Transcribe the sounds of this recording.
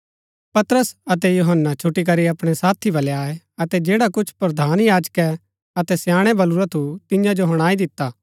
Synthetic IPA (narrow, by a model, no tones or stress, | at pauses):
pɐt̪ɾəsɐt̪ɛjuɦənːat͡ʃʰʊʈːik̬ɐɾiɐpɽ̃esaːt̪ʰibɐleaːe | ɐt̪ɛd͡ʒeːɽakʊt͡ʃʰpɾɐd̪ʱaːnjaːd͡ʒkɛ | ɐt̪ɛsjaːɽ̃ebɐluɾat̪ʰut̪ɪjãd͡ʒoɦɐɽ̃aːid̪ɪt̪ːaː